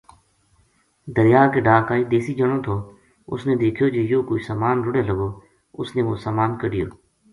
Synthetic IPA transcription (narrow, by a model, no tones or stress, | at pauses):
d̪əɾjaːkeːɖaːkaːiːd̪eːsiːd͡ʒəɽ̃õːt̪ʰoː | ʊ̰snẽːd̪eːkʰjoːd͡ʒeːjoːkoisaːmaːnɾʊɽeːləɡoː | ʊsnẽːʋoːsaːmaːnkəɖɪjo̰ː